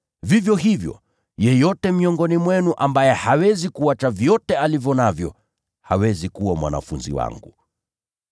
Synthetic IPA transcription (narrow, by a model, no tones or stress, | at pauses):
vivjɔɦivjɔ̰ | jɛjɔtɛmiɔŋɡɔnimwɛnuʔambajɛhawɛzikuat͡ʃavjɔtɛalivjɔnavjɔ̰ | hawɛzikuwamwa̰na̰funzḭwa̰ŋɡu